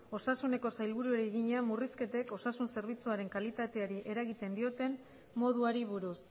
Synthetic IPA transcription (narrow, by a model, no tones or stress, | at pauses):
o̞sasune̞ko̞sajlβ̞uɾue̞ɾeːɣiɲeamuriske̞t̪e̞ko̞sasunse̞ɾβ̞it͡suaɾe̞ŋkalit̪at̪e̞aɾiʔe̞ɾaɣit̪e̞nd̪io̞t̪e̞mː | o̞ð̞uaɾiβ̞uɾus